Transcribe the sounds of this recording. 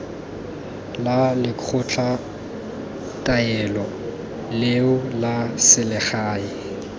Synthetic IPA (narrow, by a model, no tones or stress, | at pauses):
lalɪkʰʊt͡ɬʰa | tʼaɛlɔ | lɪʊlasɪlɪχaːi